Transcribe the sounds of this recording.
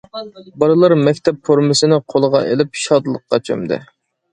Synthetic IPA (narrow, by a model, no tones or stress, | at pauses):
bɑɾɨlˠɑɾmɛkʲt̪ʰɛpfoɾmɪsɪnɪqʰolˠəʁɑ̰ʔḛlɪpʃɑd̪lˠəqqːɑt͡ʃʰø̰md̪ɪ̰